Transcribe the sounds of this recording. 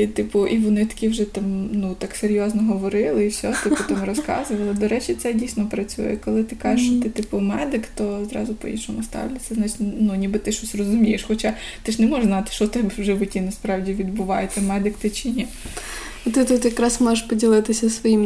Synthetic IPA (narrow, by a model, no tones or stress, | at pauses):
it̪ɪpʊʔiʋɔnɪt̪ɐ̥kʲiwʒɛt̪ɑmnut̪ɑkseɾʲjɔznɔɦɔʋɔɾɪlˠɪiwsʲɔt̪ɪpʊt̪amrɔskɑ̰zʊʋɐlˠɪd̪ɔɾɛt͡ʃit̪sɛdʲijsʲnɔpɾɐt͡sʲujɛ̰kɔlˠɪt̪ɪkɑʒɪʃt͡ʃɔt̪ɪt̪ɪpʊmɛd̪ɪkt̪ɔzɾɑ̰zʊpɔ̰jḭʃɔmʊst̪ɑ̰wlʲɐt͡sʲɐznɑt͡ʃi̥tʲnunʲibɪt̪ɪʃɔsʲrɔzʊmʲijeʃxɔt͡ʃɑ | t̪ɪʃnɛmɔʒʒznɑt̪ɪ̥ʃɔt̪ɪbwʒɛʋʊtʲinɐspɾɑwdʲiʋʲid̪bʊʋɑjet̪ɛmɛd̪ɪkt̪ɪt͡ʃinʲi | ɔt̪ɪt̪ut̪jɐkɾɑsmɔʒɪʃpɔdʲilˠɪt̪ɪsʲɐsʋɔjim